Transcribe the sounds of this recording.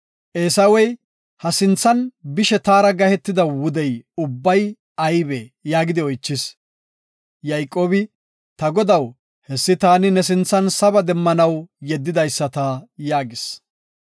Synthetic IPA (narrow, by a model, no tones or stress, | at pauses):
ʔeːsɐwɛj | hɐsɪnt͡sːɐnbɪʃɛt̪aːɾɐɡɐhɛt̪ːɪd̪ɐwʊd̪ɛjʊbːɐj | ɐjbɛjaːɡɪd̪ɪɔjt͡ʃːɪs | jɐjkʼːo̞ːbɪ | t̪ɐɡɔd̪ɐw | hɛsːɪt̪aːnɪnɛs̬ɪnt͡sːɐnsɐbɐd̪ɛmːɐnɐwjɛd̪ːɪd̪ɐjsːɐt̪ɐjaːɡɪs